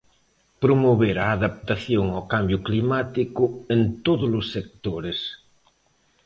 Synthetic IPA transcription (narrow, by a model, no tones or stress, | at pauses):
pɾomoβeɾaːðap̚t̪aθjoŋawkambjʊklimat̪ikʊent̪oðʊlʊsːek̚t̪oɾes